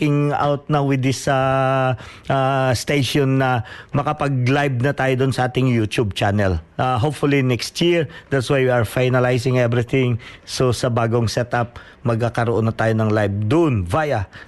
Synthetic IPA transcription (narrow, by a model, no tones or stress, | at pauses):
kɪŋa̰wt̪̚nɐwɪd̪ɪsɐ | ʔast̪ejʃonːɐmɐkɐpɐɡ̚lajb̚nɐt̪aːjod̪onsɐʔaːt̪ɪŋjut̪ub̚t͡ʃanɛlʔaɦopfʊlinɛkst̪jiɹd̪at̪swajwiɐɹfajnɐlajsɪ̃ŋɛvɾɪθɪ̃ŋsosɐbaːɡoŋsɛt̪ap̚ | mɐɡ̚kakɐɾoʔonːɐt̪aːjonɐŋlajb̚d̪ʊʔnvajɐ